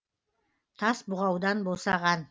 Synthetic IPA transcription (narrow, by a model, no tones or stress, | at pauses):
t̪ʰɑsbʊʁɑwd̪ɑnbosɑʁɑn